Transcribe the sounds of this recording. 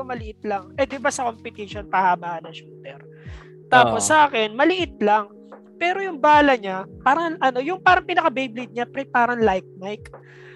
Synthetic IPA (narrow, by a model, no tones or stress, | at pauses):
omɐlɪʔɪt̪lɐŋʔɛd̪ɪbasɐkompɪt̪ɪʃonpɐhaːbaːɐnɐŋʃuːt̪ɛɾ | t̪aːposːɐʔaːkɛnmɐlɪʔɪt̪̚laŋ | pɛːɾo̞jʊŋbaːlɐɲapaːɾɐŋʔɐno̞jʊŋpaːɾɐŋpɪnɐkɐbejblɪd̪̚ɲapɾɛpaːɾɐŋlajk̚majk